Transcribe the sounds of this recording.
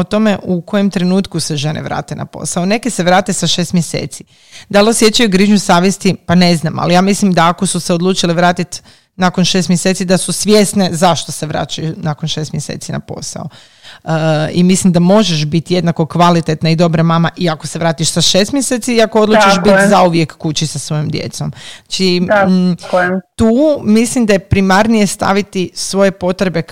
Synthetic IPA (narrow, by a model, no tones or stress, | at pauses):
ot̪o̞me̞ʔuko̞jemt̪ɾe̞nuːt̪kuseʒe̞nḛʋɾa̰ːt̪e̞na̰po̰saone̞keseʋɾaːt̪esaʃeːst̪mjesḛːt̪si | d̪alosje̞t͡ɕajuɡɾiːʒɲusaːʋjest̪ipane̞znama̰lijaːmislimd̪aːkosuseod̪lˠuːt͡ʃiliʋɾaːt̪it̪ | nako̞nʃest̪mjese̞ːt̪sid̪asusʋʲjesne̞zaʃt̪o̞se̞ʋɾa̰ːt͡ɕajunakonʃeːst̪mjesḛt̪sina̰po̞̰sa̰o | imislimd̪amo̞ʒeʃbit̪je̞d̪nako̞kʋalit̪et̪naid̪o̞bɾamamaʔiako̞seʋɾaːt̪iʃsaʃest̪mjeseːt̪siiakood̪lˠuːt͡ʃiaʃbit̪zauʋjekːut͡ɕisasʋojomd̪jḛt̪so̞mt͡ʃi | t̪uːmislimd̪ajepɾimaɾnije̞st̪a̰ʋit̪isʋo̞je̞po̞t̪ɾebe̞